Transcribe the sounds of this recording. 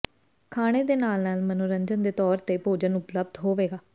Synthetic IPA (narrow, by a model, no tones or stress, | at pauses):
kʰaːɽ̃eːd̪eːnaːlnaːlmənoːɾəɲd͡ʒənd̪eːt̪ɔːɾt̪eːpoːd͡ʒənʊpləb̚d̪ɦoːʋeːɡaː